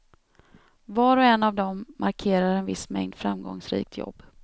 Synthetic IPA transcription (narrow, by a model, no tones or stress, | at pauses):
vɑːɾɔɛnːavd̪ɔmːaɾkʰeːɾaɾɛnvɪsmɛ̰ŋd̪fɾa̰mɡɔ̰ŋsɾḭːk̚t̪ʰjɔ̰b̥ː